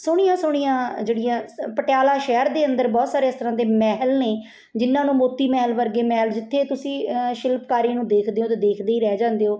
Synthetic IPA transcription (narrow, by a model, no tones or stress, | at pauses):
sʊɽ̃ɪjãːsʊɽ̃ijãːd͡ʒeːɽɪjãːpəʈjaːlãːʃɛːɾd̪eːənd̪əɾbɔːt̪saːɾeːɪst̪əɾãːd̪eːmɛːɦlneː | d͡ʒɪnːãːnũːmoːt̪ːiːmɛːɦlʋəɾɡeːmɛːld͡ʒɪt̪ʰːeːt̪ʊsĩːʃɪlpkaːɾinũːd̪eːkʰd̪eːõːt̪eːd̪eːkʰd̪eːiːɾɛːd͡ʒãːnd̪eːoː